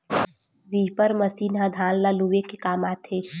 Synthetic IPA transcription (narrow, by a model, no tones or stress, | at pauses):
ɾiːpəɾməsiːnãd̪ʱãːnlaːluʋekekaːmaːt̪ʰeː